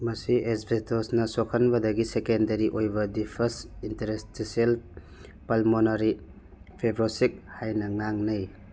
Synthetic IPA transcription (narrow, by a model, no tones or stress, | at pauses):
mɐsiesbʱetosnɐsokʰɐnbɐdɐɡisekendɐɾiʔojbɐdipʰɐsinteɾestisiel | pɐlmonɐɾi | pʰebɾosik̚hajnɐŋaŋnɐj